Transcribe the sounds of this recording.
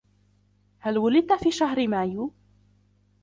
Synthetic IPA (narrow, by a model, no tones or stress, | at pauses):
halwʊlɪd̪̚t̪afiːʃaɦɾɪmaːju